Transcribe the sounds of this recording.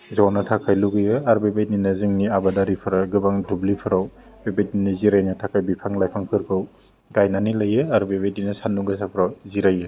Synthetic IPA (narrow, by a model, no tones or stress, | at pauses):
zawnɐtʰakʰajluɡɯjɯaɾbebejninɐzɯŋniabadaɾipʰɯɾaɡɯbaŋdublipʰɯɾaw | bebedniniziɾajnɯtʰakʰajbipʰaŋlajpʰaŋpʰɯɾkʰɯw | ɡajnanilɐjɯaɾbebedinɐsanuɡɯs̬apʰɯɾawziɾajɯ